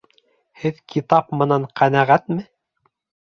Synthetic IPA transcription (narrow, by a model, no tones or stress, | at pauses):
hɘðkʰit̪ɑpmɤ̆nɑɴqʰænæʁæt̪mɘ